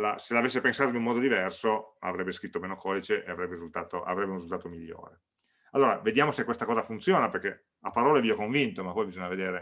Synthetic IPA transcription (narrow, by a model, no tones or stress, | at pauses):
laselavesːepensaːt̪oinumɔːd̪od̪ivɛrsoa̰vɾɛbːeskɾit̪ːomeːnokʰɔːd̪it͡ʃeʔeavɾɛbːeɾizult̪aːt̪oʔa̰vɾɛbːeũnrizult̪aːt̪omiʎːo̰ːɾe | alːoːɾaved̪jaːmosekwest̪akɔːzafunt̪sjoːnaperk̟ːe | apːaɾɔːleviokoɱvint̪omapːɔjbizoɲaved̪eːɾe